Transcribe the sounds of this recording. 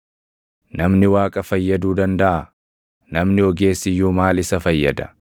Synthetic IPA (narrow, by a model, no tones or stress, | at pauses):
nɐmnɪwaːkʼɐfɐjːɐd̪uːd̪ɐnd̪ɐʔɐ | nɐmnɪɔɡe̞ːsːɪjːuːmaːlɪsɐfɐjːɐd̪ɐ̥